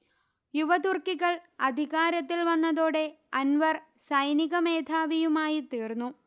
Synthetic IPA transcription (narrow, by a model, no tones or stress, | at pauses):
juʋɐd̪urkiɣɐɭɐd̪ʱiɣaːɾɐt̪ːilʋɐnːɐðoːɽe̞ | ɐnʋɐrsɐjniɣɐme̞ːd̪ʱaːʋijumaːjit̪iːrnːu